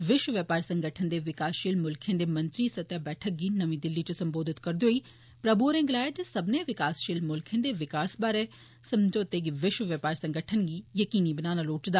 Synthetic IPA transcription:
ʋɪʃwəʋjəpaːɾsə̃ŋɡəʈʰənd̪eːʋɪkaːsʃiːlmʊlkʰẽːd̪eːmɐ̃nt̪ɾiːsət̪jaːbɛːʈʰək̚ɡiːnəʋĩːd̪ɪlːit͡ʃosə̃mboːd̪ʱɪt̪kəɾd̪oːiː | pɾəbuɾẽːɡlaːd͡ʒsəbneːʋɪkaːsʃiːlmʊlkʰẽːd̪eːʋɪkaːsbaːɾeː | səmd͡ʒoːt̪eːɡiʋɪʃwəʋjəpaːɾsə̃ŋɡəʈʰənɡiːjəkiːnibənaːnaloːʈd̪aː

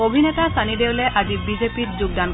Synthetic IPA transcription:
obʱinɛtasʰanideʊlɛʔazibizepitzuɡ̚dank

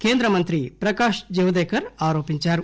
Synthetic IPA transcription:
keːnd̪ɾɐmɐnt̪ɾipɾɐkaːʃd͡ʒɐɦud̪ekɐɾaːɾoːpiɲt͡ʃaːɾ

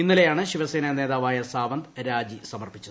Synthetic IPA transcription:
inːilejaːɳɨɕiʋɐseːnɐne̞ːðaːʋaːjɐsaːʋɐnd̪ɾaːd͡ʑisɐmɐrpit͡ɕːuð

